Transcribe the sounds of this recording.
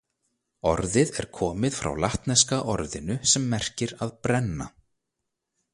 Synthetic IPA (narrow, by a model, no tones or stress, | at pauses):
ɔɾðɪðɛ̰ɾ̥kʰɔːmɪðfɾa̰wlaht̪nɛskaʔɔɾðɪnʏsɛmːɛr̥cɪɾaðpɾɛnːa̰